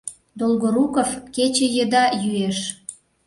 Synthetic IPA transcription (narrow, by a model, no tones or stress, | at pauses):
d̪olɣoɾukofket͡ɕejə̆d̪ɑjyeʃ